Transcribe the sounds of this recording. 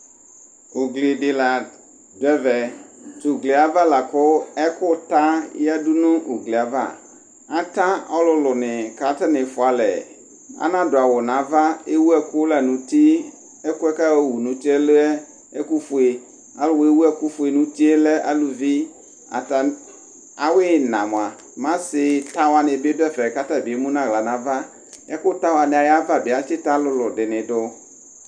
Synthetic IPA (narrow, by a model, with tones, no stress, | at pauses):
ʊ˨ɡle˨ɖɪ˨la˨ | dʊ˨˦ɛ˦vɛ˨t̪ʊ˨ɡle˨a˨va˦la˨kʊ˦ɛ˦kʊ˦t̪a˦ja˦ɖu˦nũ˦ʔo˨ɡle˨a˨va̰˦ | a˨t̪ã˦ɔ˦lʊ˦lʊ˨nɪ̃˨ka˨˦t̪a˦nɪ̃˨fʊ˨a˨lɛ̰˨ | a̰˦nã˦dʊ˨a˨wʊ˨nã˨˦va˦e˦wu˦ɛ˦kʊ˦la˨nũ˨t̪i˦ | ɛ˦kʊ˦ɛ˦ka˦wwu˨nũ˨t̪i˦ɛ˦lo˦ɛ˦ | e˦ku˦fu˨e˨ | a˦lʊ˦we˦wu˦ɛ˦ku˦fu˨e˨nũ˨t̪i˦e˦lɛ˦ʔa̰˦lu˨vi˦ | a̰˨t̪a˨ | a˨we˦nã̰˨m˨a˨ | mã˦sɪ˨t̪a˦wa˨nɪ̃˨be˦dɛ˦fɛ˨ka˦t̪a˦bi˨e˦mũ˦nã˦ɣla˨nã˨va˦ | ɛ˦kʊ˦t̪a˦wa˨nɪ̃˨a˨ja˦va˦bi˨a˨t͡ʃɪ˦t̪a˦lʊ˦lʊ˨ɖɪ˨nɪ̃˨ɖʊ˦